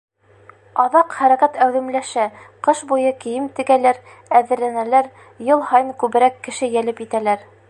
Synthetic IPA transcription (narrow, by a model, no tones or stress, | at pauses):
ɑðɑqχæɾækæt̪æwðɘ̆mlæʃæqɤʃbujɤkɘ̆jɘmt̪ɘ̆ɡælæɾ | æðɘ̆ɾlænælæɾ | jɤlˠhɑjɤmkʉβɘ̆ɾækːɘ̆ʃɘjælɘpjɘt̪ælæɾ